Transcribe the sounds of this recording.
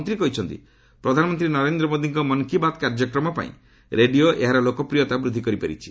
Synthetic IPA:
nt̪ɾikɔɦit͡ʃʰɔnt̪ḭ | pɾɔd̪ʱanɔmɔnt̪ɾinɔɾend̪ɾɔmod̪ʱiŋkɔmɔŋkibad̪kaɾd͡ʒɔkɾɔmɔpa̰ḭ̃ | ɾeɖioʔeɦaɾɔlokɔpɾijɔt̪abɾud̪ʱːikɔɾipaɾḭt͡ʃʰi̥

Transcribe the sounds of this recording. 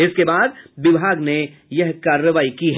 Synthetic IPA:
ɪskebaːd̪ʋɪbʱaːɡnejɐɦkaːɾjəʋaːikiɦ

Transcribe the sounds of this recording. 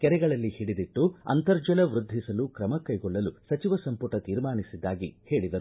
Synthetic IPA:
kɛɾɛɡɐɭɐlːihiɽid̪iʈːuɐ̰nt̪ɐɾd͡ʒɐlɐʋɾud̪ʱːisɐlukɾɐmɐkɐjɡɔɭːɐlusɐt͡ʃiʋɐsɐmpuʈɐt̪iːɾmaːnisid̪ːaːɡḭhe̞ːɭid̪ɐɾu

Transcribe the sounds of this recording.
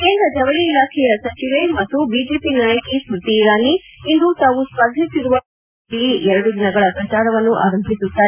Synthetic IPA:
keːnd̪ɾɐd͡ʒɐʋɐɭiːlaːkʰɛjɐsɐt͡ʃiʋemɐt̪ːubiːd͡ʒeːpinaːjɐkisɾut̪iːɾaːniː | nd̪ut̪aːʋuspɐd̪ʱisiɾuʋɐ | iɛɾɐɽud̪inɐɡɐɭɐpɾɐt͡ʃaːɾɐʋɐnːuʔa̰ːɾɐmbʱisut̪ːaː

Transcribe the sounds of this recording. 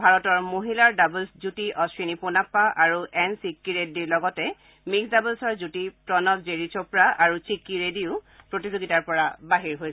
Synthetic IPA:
bʱaɹɔtɔɹmoɦilaɹdabulszutiʔɔsɹiniponapːaʔaɹuʔɛnsikːiɹediɹlɔɡɔtɛ | miksdabulsɔɹzutipɹɔnɔtzeɹit͡ʃɔpɹaʔaɹusikːiɹediʊpɹotizoɡitaɹpɔɹabaɦiɹɦojɛ

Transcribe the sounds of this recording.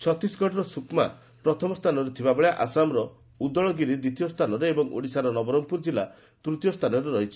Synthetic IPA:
t͡ʃʰɔt̪isɡʱɔʈɔɾɔsukma̰ | pɾɔt̪ʰɔmɔst̪ʰanɔɾet̪ʰibabɔɭjaʔasamɾɔ | ud̪ɔɭɔɡiɾid̪it̪ʰijɔst̪ʰanɔɾeebɔŋo̰ɽisaɾɔnɔbɔɾɔŋpuɾd͡ʒila | t̪ɾut̪jɔst̪ʰanɔɾeɾɔɦit͡ʃʰi̥

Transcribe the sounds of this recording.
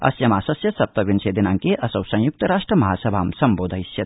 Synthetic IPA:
ɐ̰sjɐmaːsɐsjɐsɐp̚t̪ɐʋinseːd̪inaŋkeʔɐsɐwsɐ̃juk̚t̪ɐɾaːʂʈrɐmɐɦaːsɐbʱaːmsɐmboːd̪ʱɐisjɐt̪

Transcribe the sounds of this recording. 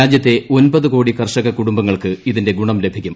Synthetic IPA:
aːd͡ʑjɐt̪ːe̞o̞nbɐðɨko̞ːɽikɐrʂɐɣɐkuɽumbɐŋːɐɭkɨiðinde̞ɡuɳɐmle̞bʱikʲːum

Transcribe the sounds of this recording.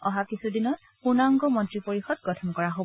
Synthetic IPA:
ɔɦakisudinɔt̚ | xunaŋɡɔmɔ̃ntɹipoɹixɔd̚ɡɔtʰɔnkɔɹaɦob

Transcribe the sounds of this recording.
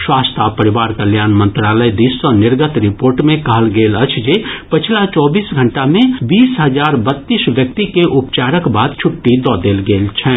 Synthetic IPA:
swaːst̪ʰapəɾɪʋaːɾkəljaːnmə̃nt̪ɾaːləjd̪isənɪɾɡət̪ɾɪpoːɾʈmẽkɐɦəlɡeːlət͡ʃʰd͡ʒepət͡ʃʰlat͡ʃɔːbiːsɡʱə̃ɳʈamẽbiːsɦəzaːɾbət̪ːiːsʋjəkt̪ikeʔʊpt͡ʃaːɾəkbaːd̪̚t͡ʃʰʊʈːid̪ɔːd̪eːlɡeːlt͡ʃʰɛ̃ː

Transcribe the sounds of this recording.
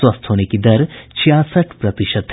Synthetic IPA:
wɐst̪ʰɦoːnekid̪ɐɾt͡ʃʰijasəʈʰpɾɐt̪iʃəd̪̚

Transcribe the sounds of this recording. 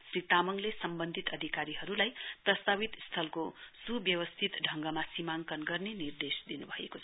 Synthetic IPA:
srit̪amʌŋlesʌmbʌnd̪ʱit̪ʌd̪ʱikaɾiɦʌɾulajprʌst̪ʰabit̪st̪ʰʌlkosubjʌwʌst̪ʰit̪ɖʱʌŋɡʌmasimaŋkʌnɡʌrnenird̪esd̪inubʱʌḛkot͡sʰʌ

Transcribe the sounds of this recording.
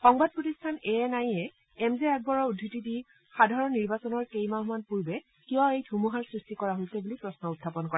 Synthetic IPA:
xɔŋbad̚pɹotistʰanɛɛnajɛ | ɛmzɛɛk̚bɔɹɔudʱːitidi | xadʱaɹɔnːiɹbasɔnɔɹkejmaɦumanpuɹbɛ | kijɔejdʰʱumuɦaɹsɹistikɔɹaɦolsɛbulipɹɔsnɔʊtʰːapɔnkɔɹa

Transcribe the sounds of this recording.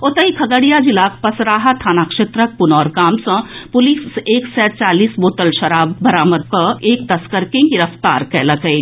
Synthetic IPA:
ot̪ɐikʰɐɡəɽijad͡ʒilaːkʰpɐsɾaːɦat̪ʰaːnakʃeːt̪ɾək̚pʊnɔːɾɡaːmsɐ̃pʊliːseːksɛːt͡ʃaːliːsboːt̪əlʃɐɾaːbːɐɾaːməd̪̚kɐeːk̚t̪ɐskəɾkẽɡɪɾəft̪a̰ːɾkɛːlɐkɐi

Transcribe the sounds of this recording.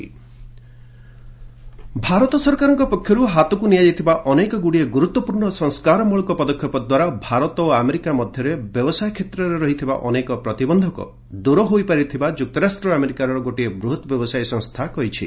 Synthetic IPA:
bʱaɾɔt̪ɔsɔɾkaɾɔŋkɔpɔkʰjɔɾuɦat̪ɔkunijajit̪ʰibaʔɔnekɔɡuɽieɡuɾut̪wɔpuɾɳɔsɔŋskaɾɔmuɭɔkɔpɔd̪ɔkʰjɔpɔd̪waɾabʱaɾɔt̪ɔoameɾikamɔd̪ʱjɔɾebjɔbɔsajɔkʰet̪ɾɔɾeɾɔɦit̪ʰiba̰ʔɔnekɔpɾɔt̪ibɔnd̪ʱɔkɔ̰ | d̪uɾɔɦojpaɾit̪ʰibad͡ʒuk̚t̪ɔɾasʈɾɔameɾikaɾɔɾɔɡoʈiebɾuɦɔt̪ɔbjɔbɔsajsɔ̃ŋst̪ʰakɔɦit͡ʃʰḭ

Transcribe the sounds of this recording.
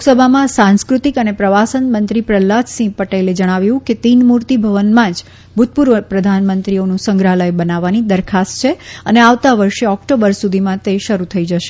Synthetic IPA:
usəbʱamãsãnskɾut̪ikənepɾəʋasənmənt̪ɾipɾəlːasĩpəʈeled͡ʒəɽ̃aʋjũket̪inmuɾt̪ibʱəʋənmãd͡ʒ | bʱut̪̚puɾʋəpɾəd̪ʱanmənt̪ɾionũsəŋɡɾaləjbənaʋːanid̪əɾkʰast̪t͡ʃʰeəneaʋt̪aʋəɾʃeɔkʈobəɾsud̪ʱimãt̪eʃəɾut̪ʰəid͡ʒəʃe̥

